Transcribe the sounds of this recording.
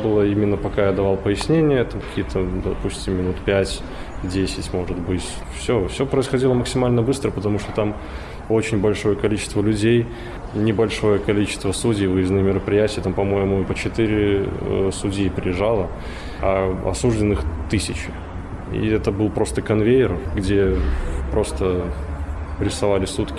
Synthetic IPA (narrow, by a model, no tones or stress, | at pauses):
bɨlˠəimʲɪnːəpɐkajad̪ɐvalˠpəjɪsʲnʲenʲɪjət̪amkɐ̥kʲijət̪ʰəd̪ɐpusʲtʲɪmːʲɪnut̪pʲætʲ | dʲesʲɪtʲmo̞ʐɨt̪bɨtʲ | fsʲofsʲopɾəɪsxɐdʲilˠəməksʲɪmalʲnəbɨst̪ɾəpət̪ɐmuʂt̪ot̪am | ot͡ɕɪnʲbɐlʲʂo̞jəkɐlʲit͡ɕɪ̥st̪vəlʲʉdʲej | nʲɪbɐlʲʂo̞jəkɐlʲit͡ɕɪst̪vəsudʲijvɨɪznɨjmʲɪɾəpɾʲɪjætʲɪjət̪ampɐmo̞jɪmʊpət͡ɕɪt̪ɨɾʲɪsudʲijːpɾʲɪɪʐalˠə | aɐ̰suʐdʲɪnɨxt̪ɨsʲɪt͡ɕɪ | ḭɛt̪əbɨlˠpɾo̞st̪əkɐnvʲejɪrɡdʲepɾo̞st̪ə | ɾʲɪsɐvalʲɪsut̪kʲɪ